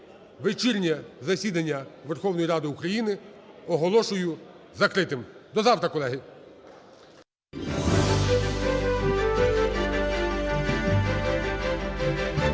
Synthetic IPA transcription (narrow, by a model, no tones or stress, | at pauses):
ʋɪt͡ʃirʲnʲɛzɐsʲid̪ɐnʲːɐʋerxɔwnɔjiɾɑd̪ɪukɾɐjinɪ | ɔɦɔlˠɔʃʊjʊ | zɐkɾɪt̪ɪmd̪ɔzɑwt̪ɾɐkɔlˠɛɦɪ